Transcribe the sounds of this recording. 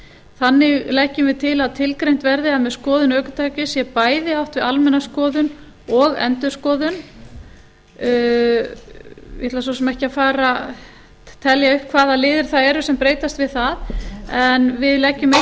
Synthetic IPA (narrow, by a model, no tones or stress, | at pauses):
θanːɪɣlɛhcːʏmvɪðt̪ʰɪlaðt̪ʰɪlkɾejn̥t̪vɛɾðɪaðmɛðskɔːðʏnœːkʏt̪ʰaːjcɪsjɛpaːjðɪawht̪vɪðalmɛnːaskɔːðʏn | ɔɣɛ̰nt̪ʏ̥skɔːðʏn | ɛt̪las̬ɔsɛmɛhcɪafaːɾa | t̪ʰɛljaʏhp̚kʰvaːðalɪːðɪɾ̥θaðɛɾʏsɛmpɾeːjt̪ast̪vɪðθaðɛnvɪðlɛcːʏme